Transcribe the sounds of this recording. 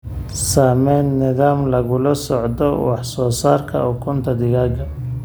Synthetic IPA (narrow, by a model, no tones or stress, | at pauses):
saːmɛnːɪðaːmlɐɣʊlɐsɔʕd̪ɔwɑħsɔːsaːrkʰɐ̰ʊkʰʊnt̪ʰɐd̪ɪɣaːɡɐ